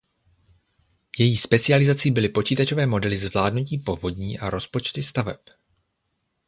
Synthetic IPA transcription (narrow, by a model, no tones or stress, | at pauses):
jɛjiːspɛt͡sɪalɪzat͡siːbɪlɪpo̞t͡ʃiːt̪at͡ʃovɛːmo̞dɛlɪzvlaːdnuciːpo̞vo̞dɲiːʔaɾo̞spo̞t͡ʃt̪ɪst̪avɛp